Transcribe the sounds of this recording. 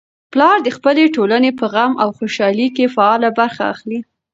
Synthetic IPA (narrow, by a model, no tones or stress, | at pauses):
plɑɾd̪əxpəleʈolanepəɣamʔawxoʃɑlikefaɑlabaɾxa̰ːxli